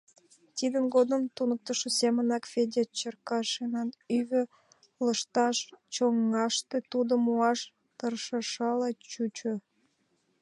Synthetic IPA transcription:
t̪id̪ənɡod̪əmt̪unək̚t̪ə̆ʃesemənɑkfed̪ʲet͡ɕərkɑʃenɑnyβø̆ | ləʃt̪ɑʃt͡ɕoŋːɑʃt̪et̪ud̪omuɑʃ | t̪ərʃəʃɑlɑt͡ɕut͡ɕo

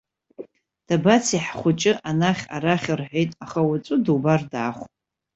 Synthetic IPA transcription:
d̥abat͡sʰiħχʷʊt͡ʃʼɪʔanaχʲa̰ɾaχʲɪrħʷᶣejtʼaχawat͡sʷʼʊdubardaːχʷʼ

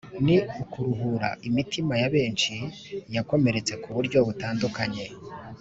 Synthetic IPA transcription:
niukuɾuɦuɾa̰ʔimitimajaβe̞ːnʃi | jako̞me̞ɾe̞t͡se̞kuβuɾɟo̞βutaːndukaɲe̞

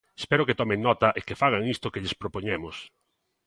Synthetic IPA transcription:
espɛɾʊkɪt̪ɔmeŋnɔt̪ɐʔɪkefaɣ̞aŋist̪ʊkeʎɪspɾopoɲemʊs

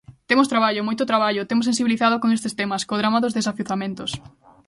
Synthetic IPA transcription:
t̪emʊst̪ɾaβaʎomojt̪ʊt̪ɾaβ̞aʎot̪emʊs̬ẽns̬iβiliθaðokoŋest̪est̪emɐskoðɾamaðozðesafuθamẽnt̪ʊs

